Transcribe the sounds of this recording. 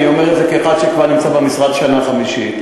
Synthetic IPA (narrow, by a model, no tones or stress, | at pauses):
iomeʁetzekeaχad̪ʃekvaʁnimt͡sabemisʁat̪ʃanaχamiʃit̪